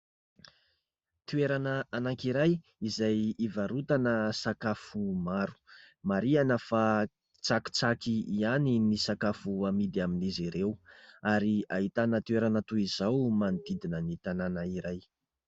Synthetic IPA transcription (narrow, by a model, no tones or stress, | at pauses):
t̪ueɾanəanaŋkiɾaj | izajivaɾut̪anəsakafumaɾu̥ | maɾianəfa | t͡saki̥t͡sakiianinisakafuamid̪iaminizeɾewaɾiaɦit̪anət̪ueɾanət̪uiz̥awmand̪id̪inənit̪ananaiɾaj